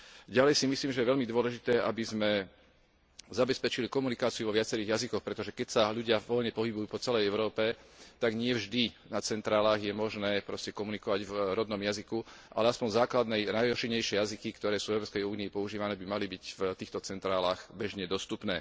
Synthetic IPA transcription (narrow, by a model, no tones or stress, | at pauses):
ɟalɛjsimisliːmʒɛjɛʋɛʎmid̪ʊɔlɛʒit̪ɛːʔabizmɛ | zabɛspɛt͡ʃilikɔmunikaːt͡siuʋɔʋɪat͡sɛɾiːɣjazikɔxpɾɛt̪ɔʒɛkɛcsaʎuɟɪaʋɔʎɲɛpɔɦibujuːpɔt͡sɛlɛjɛʊɾɔːpɛt̪aɡɲɪɛvʒd̪inat͡sɛnt̪ɾaːlaːɣjɛmɔʒnɛːpɾɔscɛkɔmunikɔʋaɟvɾɔd̪nɔmjazikuʔa̰lɛaspɔnzaːklad̪nɛjnajɔʃiɲɛjʃɪɛjazikikt̪ɔɾɛːsuːvɛʊɾɔːpskɛjuːniipɔuʒiːʋanɛːbimalibicft̪iːxt̪ɔt͡sɛnt̪ɾaːlaːxbɛʒɲɛd̪ɔst̪upnɛː